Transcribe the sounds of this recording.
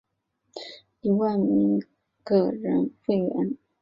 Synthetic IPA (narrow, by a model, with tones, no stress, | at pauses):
i˧˩wa˥˩ɪmi˧˥ŋ | kɤ˥˩ɻə˧˥nxwe˥˩ɪɥɛ̰˧˥n